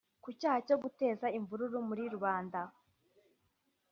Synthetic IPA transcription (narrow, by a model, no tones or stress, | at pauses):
kucaːhaco̞ɡute̞ːzaiɱvuɾuɾumuɾiɾuβaːnda